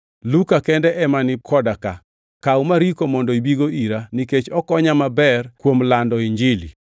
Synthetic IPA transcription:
lukakɛndɛʔɛmanɪkʰɔdaka | kawmaɾikomɔndɔibiɡoiɾaniket͡ʃɔkɔɲamabɛrkwomlandɔiɲd͡ʒɪlḭ

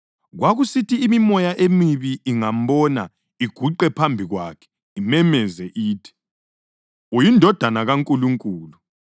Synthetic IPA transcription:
ɣwaɣusitiːmimɔjaʔemiβiːŋam̩bɔna̰ | iɡ̥ʱuǃɛpʰambʱiɣwakʰɛ̥ | imɛmɛzɛʔiːtʰi̥ | ujindʱɔd̥ʱanaɣaŋkʼuluŋkʼuːlu

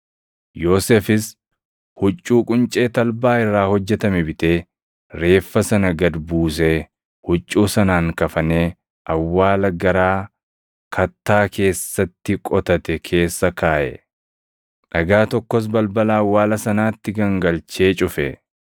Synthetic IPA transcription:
jo̞ːsefɪs | hʊt͡ʃʼːuːkʼʊnt͡ʃʼe̞ːt̪ɐlbaːɪrːaːhɔd͡ʒːɛt̪ɐmɛbɪt̪eː | ɾe̞ːfːɐsɐnɐɡɐd̪buːs̬e | hʊt͡ʃʼːuːsɐnaːŋkɐfɐneː | ʔɐwːaːlɐɡɐɾaː | kʰɐt̪ːaːke̞ːsːɐt̪ːɪkʼɔt̪ɐt̪ɛkʰe̞ːsːɐkaːʔɛ̰ | ᶑɐɡaːt̪ɔkːɔs̬bɐlbɐlaːwːaːlɐsɐnaːt̪ːɪɡɐŋɡɐlt͡ʃe̞ːt͡ʃʼʊfɛ

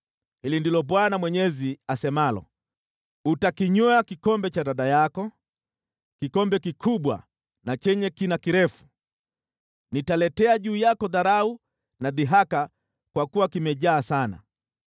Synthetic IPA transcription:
hilindilɔɓwanamwɛɲɛziasɛmalɔ̰ | utakiɲɔakikɔmbɛt͡ʃaɗaɗajakɔ | kikɔmbɛkikʰuɓwa̰ | nat͡ʃɛɲɛkinakiɾɛfu̥ | nitalɛtɛaʄuːjakɔðaɾau | naðiɦaka | kwakuwakimɛʄaːsana̰

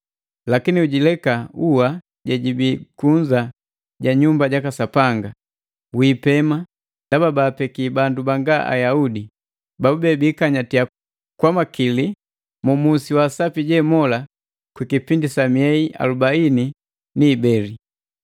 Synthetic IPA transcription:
lakiniuɟilɛkauwa | ɟɛɟibikuɲd͡ʒa | ɟaɲumbaɟakasapaŋɡa | wiːpɛma | dababaːpɛkibandubaŋɡaʔa̰jaudi | baubɛbikaɲatia | kwamakili | mumusiwasapiɟɛːmɔla | kwikipindisamiɛiʔa̰lubaini | niːbɛli

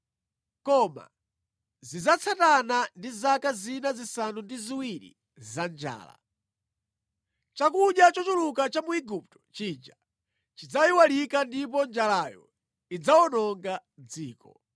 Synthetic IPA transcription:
kɔma̰ | zizat͡sʰatanandizakazinazisanundiziwiɾḭ | zand͡ʒa̰ːla̰ | t͡ʃakuɗjat͡ʃɔt͡ʃulukat͡ʃamuiɡup̚tɔ̥t͡ʃiːd͡ʒa | t͡ʃid͡zaiwalikandipɔnd͡ʒalajɔ̰ | id͡zaɔnɔŋɡad͡ziːkɔ

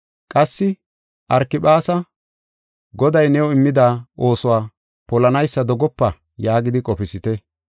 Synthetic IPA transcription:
kʼɐsːɪ | ʔɐɾkːɪpaːsɐ | ɡɔd̪ɐjnɛwɔɪmːɪd̪aːʔo̞ːsʊwaː | pɔlɐnɐjsːɐd̪ɔɡɔpːɐ | jaːɡɪd̪ɪkʼɔpɪsɪt̪ɛ

